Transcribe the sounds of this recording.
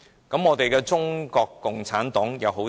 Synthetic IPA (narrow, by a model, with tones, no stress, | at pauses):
kɐ˨˧˥mŋɔː˨˧t̪e˨jkɛː˧t͡sʊ˥ŋkɔː˧kːʊ˨ŋt͡sʰaː˨˥nt̪ɔː˨˥ŋjɐ˨˧wɦo˨˥